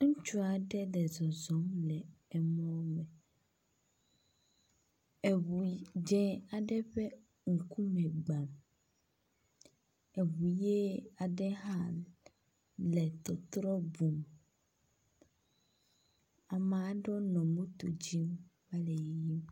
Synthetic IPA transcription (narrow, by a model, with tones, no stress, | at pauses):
ŋ̩˦t͡ʃu˦a˨ɖɛ˦ɖɛ˨zɔ˨zɔ˨˦mlɛ˨ɛ˨mɔ̃˦mɛ̃˨ | ɛ˨wu˨d͡ʒɛ̃˦a˨ɖɛ˦ɸɛ˦ | ŋ̩˨ku˦mɛ̃˨ɡ͡bã˨m | ɛ˨wu˨je˦a˨ɖɛ˦ɦa˦ | lɛ˨t̪ɔ˨t̪ɾɔ˦bu˨m | a˨mã˨˦ɖɔ˦nɔ̃˨mũ˦t̪o˨d͡ʑi˦mma˦le˨jji˦m